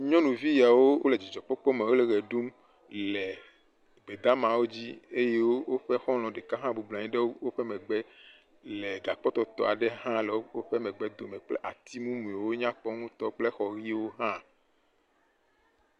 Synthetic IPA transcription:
ɲɔ̃˦nũ˨vi˦ja˨wo˦wo˦le˨d͡ʑi˨d͡ʒɔ˨k͡pɔ˦k͡pɔ˦mẽ˨wo˦lɛ˨ɣɛ˨ɖu˦m | lɛ˨ | ɡ͡be˨d̪a˦mã˨wo˦d͡ʑi˦e˦je˦wo˦wo˦ɸɛ˦xɔ̃˦l̃ɔ̃˨ɖe˨ka˦ɦã˦bu˨blɔ̃˨ɲĩ˦ɖe˦wo˦wo˦ɸɛ˦mɛ̃˨ɡ͡bɛ˦ | lɛ˨ɡa˨k͡pɔ˦t̪ɔ˨t̪ɔ̰˨a˨ɖɛ˦ɦã˦lɛ˨wo˦wo˦ɸɛ˦mɛ̃˨ɡ͡bɛ˦d̪o˨mɛ̃˨k͡plɛ̰˦ʔa˨t̪i˦mũ˦mũ˨e˨wo˦ɲã˦k͡pɔ˦ŋũ˦t̪ɔ˦k͡ple˦xɔ˨ɣi˦wo˦ɦã˦

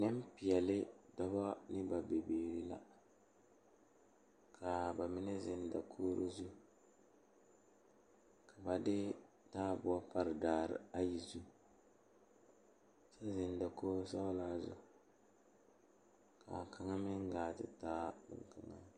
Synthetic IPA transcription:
nɛ˦m˦pɪ˨jɛ˨lɪ˦dɔ˦ba˦nɪ˦ba˨be˨beː˨ɾi˦la̰˦ | kʰa˨ba˨mɪ˦nɛ˦zɪ˨nda̰˨kʰoː˦ɾʔo˦zu˦ | ka˨ba˨dɪ˦ | taː˦bʊ˨a˦pa˦ɾɪ˨daː˨ɾɪ̰˨a˦ji˨zu˦ | sa˦zɪ˨nda˨kʰoː˦ɾo˦sa˦laː˦zʊ̰˦ | ka˨ka˦ŋa˦mɪ˦ŋ˦ɡaː˨tɪ̰˨taː˦bɪ̰˨ŋ˨ka˨ŋa̰˦

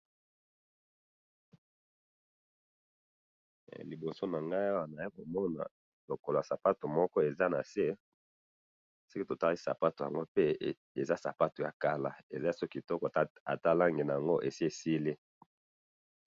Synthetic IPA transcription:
li˨bo˨so˦na˨ŋɡa˦ja˦wa˨na˨i˦ko˨mɔ˦na̰˨ | lo˨ko˨lo˨a˨sa˨pa˦to˨mɔ˦kɔ˦e˨za˦na̰˨se˦ | so˦ki˦to˨ta˦ʁi˦sa̰˨pa˦to˨ja˨ŋɡo˦pe˦ | e˨za˦sa̰˨pa˦to˨ja̰˨ka˦la˦ḛ˨za˦˨sɔ˦ki˨tɔ˦kɔ˨a̰˨ta˦la˦ŋɡe˨na˨ja˨ŋɡo˦ʔe˨si˦e˨si˦le˦

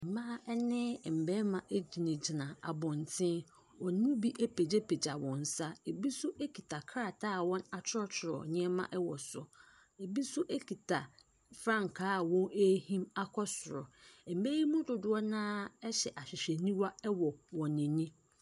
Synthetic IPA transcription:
m̩˨mã˦ɛ˦nɪ̃˦˨m̩˨bɛ˦mã˨ʔe˦d͡ʑi˨nɪ̃˨d͡ʑɪ˨nã˨a̰˨bɔ̃˨n˨tʰɪ̃˦n | ɔ˨n˦ʊ̃˦bi˦ʔe˦pʰe˨d͡ʑe˦pʰe˨d͡ʑa˨wɔ̃˨n̩˨sa˦e˨bi˦sʊ˦ʔe˦kʰi˨tʰa˨kʰɾa˨tʰaː˦˨wɔ̃˦na˨t͡ɕʰʊ˦ɾɔ˦t͡ɕʰɪ˨ɾɔ̰˨ɲɪ̃˦ɛ˦mã̰˦ʔɛ˦wɔ˨sʊ˨ | e˨bi˦sʊ˦ʔe˦kʰi˨tʰa˨ | fɾã˦˨ŋ˨kʰaː˦˨wɔ̃˦ne˦hĩ˦ma˦kʰɔ˦sʊ˨ɾɔ˨m̩˨be˦ji˦mũ˦dʊ˨dʊ˦ɔ˦nãː˦ɛ˦ɕɛ˨ʔa˨ɕᶣɪ˨ɕᶣɛ˨nĩ˦wa˦ɛ˦wɔ˨wɔ̃˨nɪ̃˨nĩ˦

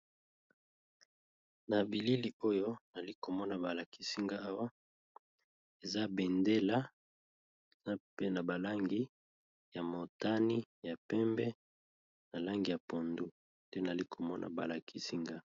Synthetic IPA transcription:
na˨bi˨li˦li˨o˦jo˦na˨li˦ko˨mɔ˦na˨ba˨la˨kʰi̥˦si˦ŋɡa˦a˦wa˦ | e˨za˦bɛ˨nde˦la˦ | e˨za˦pe˦na˨ba˨la˦ŋɡi˦ | ja˨mo˨ta˦ni˦ja˨pɛ˦mbɛ˦ | na˨la˦ŋɡi˨ja˨po˨ndu˦ | d̥ɛ˦na˨li˦ko˨mɔ˦nʔa̰˨ba˨la˨ki˦si˦ŋɡa˦

